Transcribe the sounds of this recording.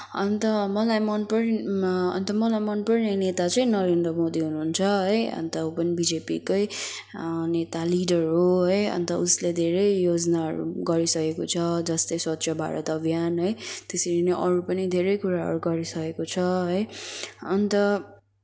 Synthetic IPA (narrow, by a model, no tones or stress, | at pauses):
ʌnt̪ʌmʌlajmʌnpʌrʌ̰nt̪ʌmʌlajmʌnpʌrnenet̪at͡sʌĩnʌɾend̪rʌmod̪iɦunuɦːnt͡sʰʌɦʌjʌ̰nt̪ʌɦopʌnibid͡zepikʌj | net̪aliɖʌrɦoɦʌjʌ̰nt̪ʌusled̪ʱeɾʌjjod͡znaʌ̰ɾṵɡʌɾisʌkekot͡sʰʌd͡zʌst̪ʌjswʌt̪sʰjʌbʱa̰ɾʌ̰t̪ʌbʱjanɦʌjt̪esiɾineʔʌɾupʌnid̪ʱeɾʌjkuɾaɦʌ̰ɾuɡʌɾisʌkekot͡sʰʌɦʌjʌnt̪ʌ